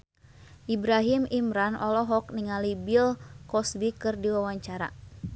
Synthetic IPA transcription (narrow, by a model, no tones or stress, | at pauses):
ʔibɾaɦimimɾanʔɔlɔɦɔk̚niŋalibilkɔsbikɨrdiwawaɲt͡ʃaɾa̰